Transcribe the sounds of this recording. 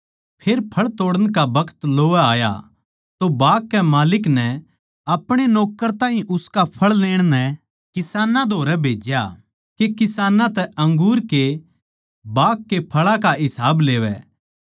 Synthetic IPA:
pʰeːɾpʰɐɭt̪oːɽəɽ̃kabɐkʰə̥t̪loːɛaːja̰ | t̪obaːkːɛmaːlɪknɛ | ɐpɽ̃enɔːkəɾt̪ãːɦĩʔʊskapʰɐɭleːɽ̃nɛ | kɪsaːnãd̪ʱoːɾɛbʱeːd͡ʒja | kekɪsaːnãt̪ɛɐ̃ŋɡuːɾke | baːkːepʰɐɭakaɦɪsaːbleːʋɛ̰ː

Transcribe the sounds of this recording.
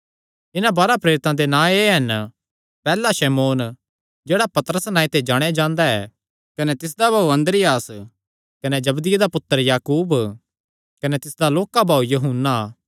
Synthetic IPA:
ɪnãbɐɾapɾeːɾɪt̪ãd̪enãːeɦɐn | pɛːlaʃɛmoːn | d͡ʒeːɽapɐt̪əɾəsnãːĩt̪ed͡ʒaːɽ̃ead͡ʒãːnd̪aɛ̰ː | kɐnet̪ɪs̬d̪abʱaːuɐ̃nd̪ɾɪjaːs | kɐned͡ʒɐbd̪ɪjed̪apʊt̪ːəɾjaːkuːb | kɐnet̪ɪsd̪aloːkabʱaːujɐɦʊnːa

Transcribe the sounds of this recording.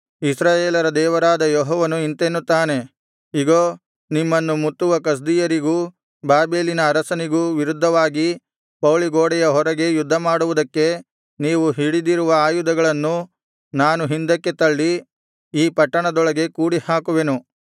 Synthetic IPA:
isɾaːjeːlɐɾɐd̪ɛːʋɐɾaːd̪ɐjɔɦɔːʋɐnuint̪enːut̪ːaːne̞ | iɡoː | nimːɐnːumut̪ːuʋɐkɐs̬d̪ijɐɾiɡuː | baːbeːlinɐːɾɐsɐniɡuʋiɾud̪ʱːɐʋaːɡi | pɐwɭiɡoːɽɛjɐɦɔɾɐɡe̞jud̪ʱːɐmaːɽuʋud̪ɐkːe̞ | niːʋuɦiɽid̪iɾuʋɐaːjud̪ɐɡɐɭɐnːu | naːnuɦind̪ɐkːe̞t̪ɐɭːi | iːpɐʈːɐɳɐd̪ɔɭɐɡe̞kuːɽihaːkuʋe̞nu

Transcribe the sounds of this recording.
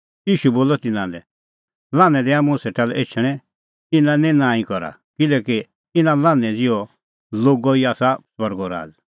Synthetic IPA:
iːʃuboːlɔt̪ɪnãlɛ | lãːnɛ̃d̪ɛaːmũseʈʰalɛʔeːt͡ʃʰəɽ̃ɛ̃ | ɪnãnɛ̃nãːĩkɔɾa̰ | kɪlɛːki | ɪnãlãːnɛ̃d͡zɪjɔ | loːɡɔiaːsaswɐɾɡɔɾa̰ːd͡z

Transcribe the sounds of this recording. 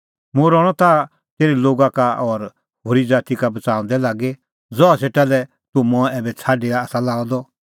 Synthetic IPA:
mʊ̃ɾɔɽ̃ɔt̪a | t̪eːɾiloːɡakaɔɾ | hoɾid͡zaːt̪ikabɐt͡sãːɔ̃nd̪ɛlaːɡe | d͡zɔaseʈalɛ | t̪umɔ̃ɛːbɛt͡sʰaːɖeaːsalaːɔd̪ɔ

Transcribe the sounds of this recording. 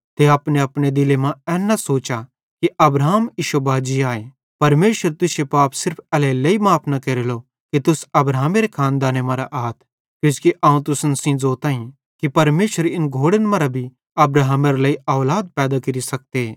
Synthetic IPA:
t̪eɐpneɐpned̪ɪlemãɛːnːasoːt͡ʃa | kiɐbɾaːmiʃobaːd͡ʒiaːe | pɐɾmeːʃəɾt̪ʊsepaːpsɪɾpʰɛlelɐimaːpʰnakeɾelo | kit̪ʊsɐbɾaːmeɾekʰãːnd̪aːnemãɾaʔaːt̪ʰ | kjõːskiʔaːũt̪ʊsənsĩd͡zoːt̪aːĩ | kipɐɾmeːʃəɾɪnɡʱoːɽənmɐ̃ɾabʱi | ɐbɾaɦmeɾlɐiaːlaːd̪̚pɛːd̪akɪɾisɐk̚t̪eː

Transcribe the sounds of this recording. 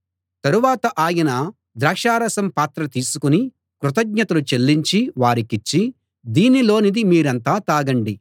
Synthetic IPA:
t̪ɐɾuʋaːt̪ɐʔaːjɐnɐ | d̪ɾɐːkʂaːɾɐsɐmpaːt̪ɾɐt̪iːsukuni | kɾut̪̬ɐɡɲɐt̪ɐlut͡ʃe̞lːiɲt͡ʃiʋaːɾikit͡ʃːi | d̪iːnilo̞ːnid̪imiːɾɐnt̪aːt̪aːɡɐɳɖi

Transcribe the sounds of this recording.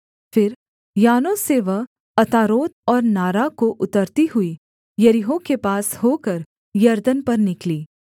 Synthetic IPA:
fɪɾ | jaːnõseʋɐɦ | ɐt̪aːɾoːt̪ɔːɾnaːɾakoʔʊt̪əɾt̪iɦʊi | jɐɾɪɦõkepaːshoːkɐɾ | jɐɾd̪ənpɐɾnɪkliː

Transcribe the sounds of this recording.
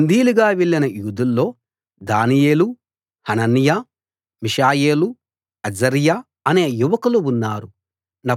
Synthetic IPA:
nd̪iːluɡaːʋeɭːinɐjuːd̪ulːo̞ː | d̪aːnije̞ːlu | hɐnɐnja | miʃaːjeːlu | ɐd͡ʒɐɾja | ɐne̞ːjuʋɐkuluunːaːɾu | nɐ

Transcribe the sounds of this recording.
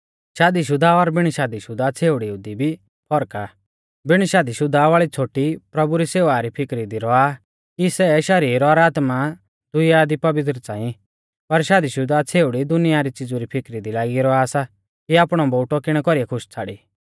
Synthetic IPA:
ʃaːd̪iʃ̬ʊd̪ʱaɔɾbɪɽ̃ʃaːd̪iʃʊd̪ʱat͡sʰeːʊɽiʊd̪ibʱi | pʰɔɾka | bɪɽ̃ʃaːd̪iʃʊd̪ʱaʋaːɭit͡sʰoːʈipɾɐbuɾiseːʋaɾipʰɪkɾid̪iɾɔa | kisɛʃɐɾiːɾɾɔɾaːt̪ma | d̪̥ʊɪjad̪ipɐʋɪt̪ɾət͡saːĩ | pɐɾʃaːd̪iʃʊd̪at͡sʰeːʊɽid̪ʊnɪjaɾit͡sɪd͡zuɾipʰɪkɾid̪ilaːɡiɾɔasa | kiaːpɽ̃ɔbɔːʈɔkɪɽ̃ɛkɔɾijɛkʰʊʃt͡sʰaːɽi

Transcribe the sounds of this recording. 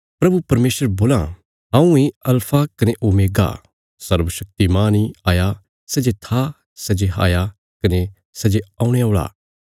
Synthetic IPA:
pɾɐbupɐɾmeːsəɾboːlã̰ | ãːũeɐlpʰakɐneʔomeːɡa̰ | sɐɾʋəʃɐk̚t̪imaːniaːja | sɐd͡ʒet̪ʰa | sɐd͡ʒeɦa̰ːja | kɐne | sɐd͡ʒeãːũɽ̃eoːɭa̰ː

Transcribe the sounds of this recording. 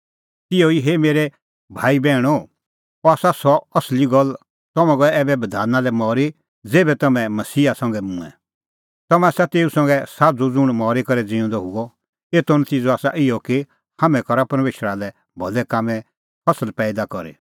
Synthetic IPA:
t̪ɪoiɦeːmeːɾɛ | bʱaːibɛːɽ̃ɔ | ɔaːsasɔɐsliɡɔl | t̪ɔmɛ̃ɡɔɛɛːbɛbɐd̪ʱaːnalɛmɔːɾi | d͡zeːbɛt̪ɐmɛ̃mɐsiːasɐ̃ŋɡɛmũːɛ̰̃ | t̪ɐmɛ̃aːsat̪eːusɐ̃ŋɡɛsaːd͡zud͡zʊ̃ɽ̃mɔːɾekɐɾɛd͡zĩɔ̃nd̪ɔɦʊɡɔ | eːt̪onɐt̪iːd͡zoaːsa̰ʔɪjɔkɪ | hamɛ̃kɔɾapɐɾmeːʃəɾalɛ | bʱɔlɛkaːmɛ̃ | pʰɐsəlpɛːd̪akɔɾḛ

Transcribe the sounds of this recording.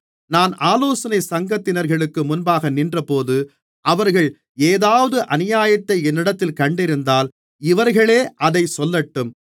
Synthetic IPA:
naːnaːloːsɐnɐɪsɐŋɡɐt̪ːɪnɐɾɣɐɭɯkːɯmʊnbaːɣɐnɪndrɐpoːðɯ | ʔɐʋɐɾɣɐɭ | eːðaːʋɐðɯʔɐnɪjaːjɐt̪ːɐɪɛnːɪɽɐt̪ːɪlkɐɳɖɪɾɯnd̪aːl | ɪʋɐɾɣɐɭeːʔɐðɐɪsɔlːɐʈːɯm

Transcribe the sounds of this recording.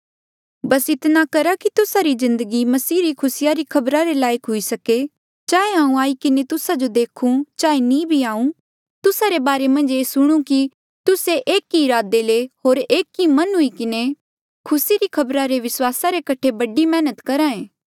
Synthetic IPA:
bɐsɪt̪nakɐɾakit̪ʊsaɾizɪ̃nd̪əɡimɐsiːɾikʰʊsɪjaɾikʰɐbɾaɾelaːjəkɦʊisɐke | t͡ʃaːeɦãːũaːikɪnet̪ʊsad͡ʒod̪eːkʰũt͡ʃaːenĩbʱiaːũ | t̪ʊsaɾebaːɾemɐ̃nd͡ʒeːsʊɽ̃ũki | t̪ʊseʔeːkːiɪɾaːd̪eleɦoːɾeːkːimɐnɦʊikɪne | kʰʊsiɾikʰɐbɾaɾeʋɪswaːsaɾekɐʈʰebɐɖimɛːnət̪kɐɾaːẽː

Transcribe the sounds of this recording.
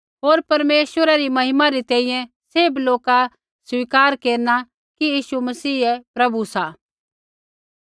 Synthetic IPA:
ɦoːɾpɐɾmeːswʋəɾaɾimɐɦɪmaɾit̪ɛ̃ːĩjɛ̃ | seːbloːka | swiːkaːɾkeːɾna | kijiːsumɐsiːɛpɾɐbusa

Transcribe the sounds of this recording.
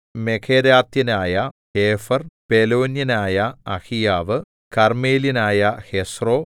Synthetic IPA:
mekʰeɾaːt̪jɐnaːjɐheːfɐrpelo̞ːnjɐnaːjɐɐhijaːʋɨ | kɐrmeːlinaːjɐhesro̞ː

